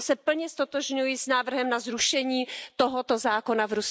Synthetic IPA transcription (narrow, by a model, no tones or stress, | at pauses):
sɛpl̩ɲɛst̪o̞t̪oʒɲujisnaːvr̩ɦɛmnazɾuʃɛɲiːt̪oɦot̪ozaːko̞navɾus